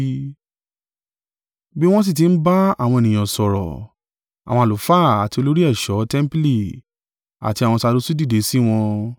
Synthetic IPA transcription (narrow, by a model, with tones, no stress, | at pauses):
bi˦w̃ɔ̃˦s̬i˦˨t̬i˨˧n̩˦ba˦a˦˨w̃ɔ̃˧e˨nĩ˨ɔ̃˨sɔ˨ɾɔ̰˨ | a̰˨w̃ɔ̃˧a˨lo˨˦fa˦˨a˨ti˧o˧lo˦ɾi˦ɛ˦˨ʃɔ˨˦tɛ̃˦m̩˦pi˦li˨ | a̰˨ti˧a˨wɔ̃˧sa˧do˨˦su˦di˦˨de˨˦si˦w̃ɔ̃˧